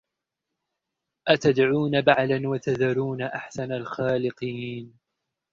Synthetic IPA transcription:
ʔat̪ad̪ʕuːnabaʕlanwat̪aðaɾuːnaʔaħsanalxaːlɪqiːn

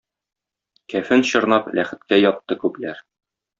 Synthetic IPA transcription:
kæfɘnɕɤ̆ɾnɑplʔæ̰χɘ̆t̪̚kæjɒt̪ːɤkʉplæɾ

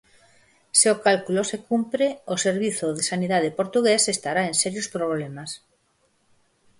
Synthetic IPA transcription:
seokalkulosekumpɾeoseɾβ̞iθoðesaniðað̞epoɾt̪uɣesest̪aɾaensɛɾjospɾoβ̞lemas

